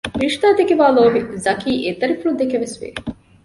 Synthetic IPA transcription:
ɾiʂʈ̪aːd̪ekiʋaːloːbizɐkiːʔet̪ɐɾifuɾud̪ekeʋesʋḛː

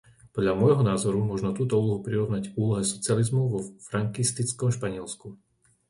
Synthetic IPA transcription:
pɔd̪lʎamɔjɦɔnaːzɔɾumʊɔʒnɔt̪uːt̪ɔuːlɔɦupɾiɾɔʋnacuːlɔɦɛsɔt͡sɪalizmɔʊʋɔfɾaŋkist̪it͡skɔmʃpaɲɪɛlsku

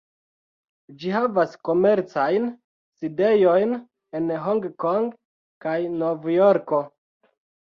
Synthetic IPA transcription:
d͡ʒiɦavasko̞me̞ɾt͡sajn | side̞jo̞jn | e̞nɦoŋɡkoŋɡ | kajnovjoɾko̞

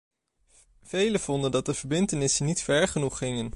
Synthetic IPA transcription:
v̥ejləv̥ɔndəndɑt̚dəv̥əɹbɪntənɪsənːitfɛɹχənuχːɪŋən

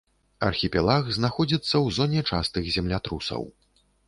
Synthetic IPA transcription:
ɐ̰rxʲipʲɛlˠaɣznaxɔd͡zʲit̪sːɐwzɔnʲɛt͡ʂa̰st̪ɨɣzʲɛmlʲat̪ɾusɐ̰w

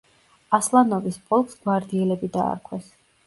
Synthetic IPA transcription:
aslˠanɔvisbɔlˠksɡ̥waɾd̪iɛlɛbid̪a̰ːɾkʰwɛs

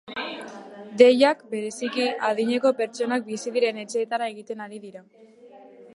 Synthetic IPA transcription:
d̪e̞jakbe̞ɾe̞sikiað̞iɲe̞ko̞pe̞ɾt͡ʃo̞nak̚bisiðiɾe̞ne̞t͡ʃe̞ːt̪aɾae̞ɣit̪e̞naɾiðiɾa

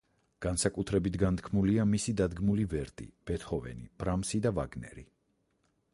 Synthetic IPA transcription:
ɡ̥ansakʼut̪ʰɾɛbit̪ʰɡant̪ʰkʰmuliamisid̪ad̪ɡmulivɛɾt̪ʼḭb̥ɛt̪ʰχɔvɛ̰nib̥ɾamsid̪ava̰ɡnɛ̰ɾḭ

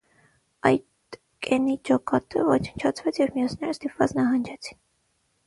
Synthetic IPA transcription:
ɑjt̪ | kɛnid͡ʒɔkɑt̪əvɔt͡ʃʰənt͡ʃʰɑt͡sʰvɛt͡sʰjɛvmijɔt͡sʰnɛɾəst̪ipvɑ̰t͡snɑɦɑnd͡ʒɛt͡sʰi̥n

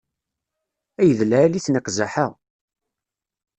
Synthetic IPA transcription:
æjəðlææliθnəqzaħaʁ

